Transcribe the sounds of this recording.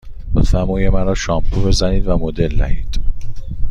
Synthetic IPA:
mot̪fæɾmɒːjemæɾɒːʃɒːmpʰube̞zæniːd̪væmod̪e̞lnæ̰hḭːd̪̥

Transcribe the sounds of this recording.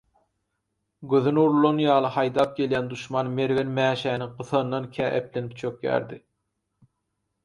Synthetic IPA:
ɡøðynuɾlˠonjɑːlˠɯhɑjd̪ɑːp̚ɡʲe̞ljænd̪uʃmɑːnme̞ɾvenmæːʃæːniqɯθɑnːɑnkʲʰæːʔeplenipt͡ʃʰøkjæ̰ːɾd̪i

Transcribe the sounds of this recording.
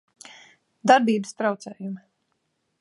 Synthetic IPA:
d̪aɾbiːbəst̪ɾawt̪sɛːjum

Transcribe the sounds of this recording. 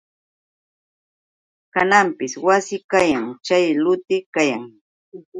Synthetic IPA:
kanampɪswasɪkajaŋt͡ʃajlʊt̪ɪkajaŋ

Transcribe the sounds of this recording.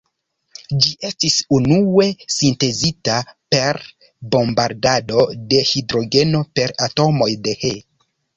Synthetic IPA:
d͡ʒiʔe̞stisunue̞sinte̞zitape̞ɾ | bo̞mbaɾdado̞de̞hidɾo̞ɡe̞no̞pe̞ɾato̞mo̞jde̞he

